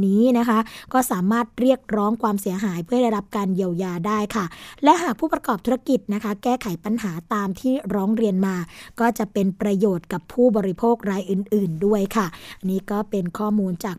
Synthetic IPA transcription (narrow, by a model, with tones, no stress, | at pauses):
niː˦˥na˦˥kʰa˦˥ʔkɔː˥˩saː˩˦maː˥˩t̪̚ɾi˥˩ək̚ɾɔː˦˥ŋkʰwaː˧msi˨˩˦ɦaː˩˦jpʰɯ˥˩ɐda˥˩jɾa˦˥p̚kaː˧nji˧əwjaː˧daː˥˩jkʰa˥˩lɛ˦˥ʔɦaː˨˩k̚pʰuː˥˩pɾa˧kɔː˨˩p̚t̪ʰːa˦˥ki˨˩t̪̚na˦˥kʰa˦˥kɛː˥˩kʰa˨˩˦jpa˧nɦaː˩˦t̪aː˧mt̪ʰiː˥˩ɾɔː˦˥ŋɾi˧ənmaː˧kɔː˥˩t͡ɕa˨˩ʔpe˧npɾa˧joː˨˩t̪̚ka˨˩pʰuː˥˩bɔː˧ɾi˦pʰoː˥˩k̚ɾaː˧jʔɯ˨˩nʔɯː˨˩ndu˥˩əjkʰa˥˩niː˦˥kɔː˥˩pe˧nkʰɔː˥˩muː˧nt͡ɕaː˨˩k̚